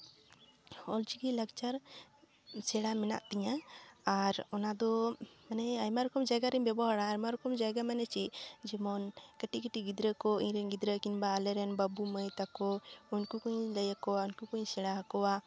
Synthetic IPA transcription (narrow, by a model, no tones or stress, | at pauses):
ɔld͡ʒiɡilak̚t͡ʃaɾ | sɛɽamɛna̰ʔt̪iɲaː | ɾɔnad̪ɔmanɛajmaɾɔkɔmd͡ʒaɡaɾimbɛbɔɦaɽajmaɾɔkɔmd͡ʒaɡamanɛt͡ʃid͡ʒimɔnkəʈikəʈiɡid̪ɾəkɔḭɲɾɛnɡid̪ɾəkinbaːlɛɾɛnbabuməjt̪akɔuɲkukuɲləjəkɔwauɲkukuɲsɛɽaɦakɔwa